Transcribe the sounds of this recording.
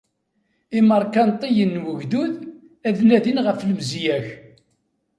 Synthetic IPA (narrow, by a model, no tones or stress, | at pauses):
iməɾˤkɑnt̪ˤijənːwəʝd̪uð | æðnæðinʁəfləmzjæç